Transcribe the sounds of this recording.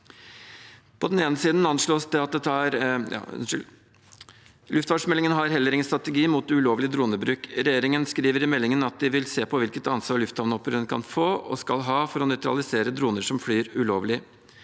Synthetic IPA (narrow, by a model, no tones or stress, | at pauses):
pʰɔd̪ɛneːnəsiːd̪n̩ɑnʂɭoːsd̪ɛɑt̪̚d̪ɛt̪ːɑɾjɑ̰ː | lʉft̪ʋɑːʂmɛlːɪŋənɦɑɾɦɛlːəɾɪŋənst̪ɾɑt̪ɛɡiːmuːt̪ʉloːʋlɪd̪ɾuːnəbɾʉːkɾɛjeːɾɪŋənskɾiːʋəɾɪmɛlːɪŋənɑt̪̚d̪ɪʋɪlseːpʰɔʋɪlkət̪ɑnsʋɑːɭʉft̪ɑʋnɔpːəɾɛnkʰɑ̰nfoːɔ̰skɑlɦɑːfɔɾɔnœʏt̪ɾɑ̰lɪseːɾəd̪ɾuːnəʂɔmflyːɾʉloːʋlɪ